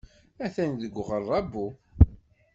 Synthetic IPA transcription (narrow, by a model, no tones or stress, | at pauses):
æθænðəɡʷːʁəɾˤːɑbːu